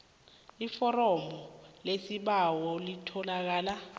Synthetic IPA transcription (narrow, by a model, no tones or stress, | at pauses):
ifɔɾɔmɔlesiɓawɔlitʰɔlak̬aːla